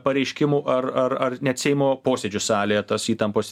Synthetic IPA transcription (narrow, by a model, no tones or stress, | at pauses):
pɐɾʲɛɪʃʲkʲɪmuːʔɐɾɐɾɐrnʲɛɐt̪sʲɛɪmoːpoːsʲed͡ʒʲʊsɑːlʲejɛt̪ɐsiːt̪ɐmpoːs